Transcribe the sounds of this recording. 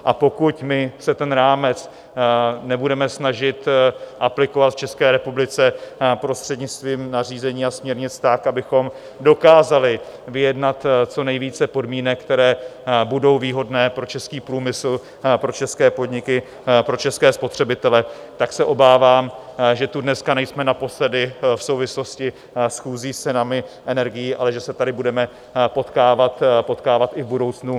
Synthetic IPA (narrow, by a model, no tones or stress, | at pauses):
ʔapo̞kucmɪsɛt̪ɛnɾaːmɛt͡s | nɛbudɛmɛsnaʒɪt̪ʔaplɪko̞vat̪ft͡ʃɛskɛːɾɛpublɪt͡sɛpɾo̞st̪r̥ɛdɲɪt͡st̪viːmnar̝iːzɛɲiːasmɲɛɾɲɪt͡sɛ̥t̪akʔabɪxo̞m | do̞kaːzalɪ | vɪjɛdnat̪t͡so̞nɛjviːt͡sɛpo̞dmiːnɛkt̪ɛɾɛːbudo̞wviːɦo̞dnɛːpɾo̞t͡ʃɛskiːpɾuːmɪsl̩ | pɾo̞t͡ʃɛskɛːpo̞dɲɪkɪ | pɾo̞t͡ʃɛskɛːspo̞t̪r̝̥ɛbɪt̪ɛlɛt̪aksɛʔo̞baːvaːmʒɛt̪udnɛskanɛjsmɛnapo̞slɛdɪfsowvɪslo̞scɪ | sxuːziːst͡sɛnamɪʔɛnɛɾɡɪjiːʔa̰lɛʒɛsɛt̪adɪbudɛmɛ | po̞t̪kaːvat̪po̞t̪kaːvat̪ɪvbudo̞wt͡snu